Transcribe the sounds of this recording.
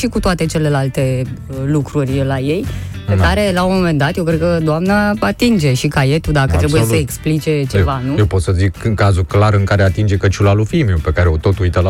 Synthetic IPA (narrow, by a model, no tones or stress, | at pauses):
ʃikut̪oat̪e̞t͡ʃe̞le̞lalt̪e̞lukɾurʲlaje̞j | pekaɾe̞laomo̞me̞nd̪at̪jewkɾd̪̚kəd̪oamnəat̪ind͡ʒe̞ʃikaje̞t̪ud̪akət̪ɾebujesəeksplit͡ʃe̞t͡ʃe̞vanujepo̞t̪səzikɨŋkazuklaɾɨŋkaɾeat̪ind͡ʒe̞kət͡ʃulalufimeupe̞kaɾe̞o̞t̪o̞t̪ujt̪əl